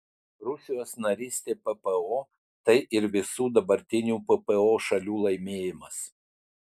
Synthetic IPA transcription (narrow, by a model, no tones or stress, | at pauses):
ɾʊsʲɪjoːsnɐɾʲiːsʲt̪ʲeːpɛpɛoː | t̪ɐɪʔɪɾʋʲɪsuːd̪ɐbɐɾʲt̪ʲɪnʲuːpɛpɛoːʃɐlʲuːlˠɐɪmʲeːjɪmɐs